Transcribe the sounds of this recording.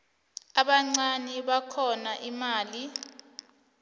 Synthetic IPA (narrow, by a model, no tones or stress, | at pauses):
aɓaŋ͡ǀaniɓakʰɔnaʔimaːli